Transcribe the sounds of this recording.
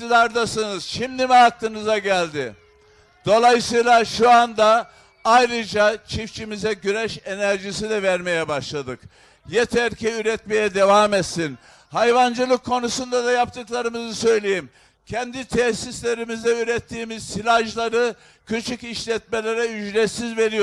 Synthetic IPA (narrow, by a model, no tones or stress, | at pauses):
id̪aɾd̪asɯnɯz̥ʃimd̪imɛak̚t̪ɯnɯzaɟælʲd̪ɪ | d̪̥o̞lˠajɯsɯjlˠaʃuand̪a | ajɾɯd͡ʒat͡ʃʰift͡ʃʰimizɛɟynɛʃe̞næɾʒisid̪ɛvæɾme̞jɛbaʃlˠad̪ɯk | jet̪ʰæɾcʰɛyɾɛt̪me̞jɛd̪e̞vamɛt̪sin | hajvand͡ʒɯlˠɯkʰːo̞nusund̪ad̪ajap̚t̪ʰɯklˠaɾɯmɯzɯsø̞jlʲejim | cʰɛnd̪it̪ʰɛsislʲe̞ɾimizd̪ɛyɾɛt̪ʰːiːmiz̥silʲaʒlˠaɾɯ | cʰyt͡ʃʰyciʃlʲɛt̪̚me̞lʲe̞ɾɛyd͡ʒlʲɛsizve̞ɾijo